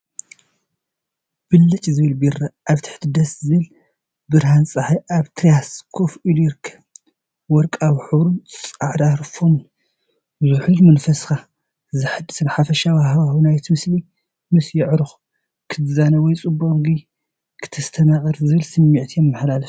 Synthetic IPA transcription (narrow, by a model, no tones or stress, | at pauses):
b̥ɨlːɨt͡ʃʼzɨβɨlbiɾaʔaβt̪ʰɨ̥ħt̪ʰɨd̪ɐszɨβɨl | bɨɾhansʼɨħaʔaβt̪ʰɾijaskʰofiljɪɾkʰːɐ | wɔɾkʼawiħɨβɾunt͡sʼaʕd̪aɾfomn | zɨħulmɐnfɐska | zɨħɨd̪ːɨsnħafɐʃawahɦβawinajt̪ʰmɨsli | mɨsjɪʕɾɨx | kʰɨt̪ɨzanɐwɔjt͡sʼɨboχɡi | kʰɨ̥t̪ʰɐst̪ʰɐnakʼɨɾzɨβɨlsɨmːiʕt̪ʰijɛmːɨħlalɐf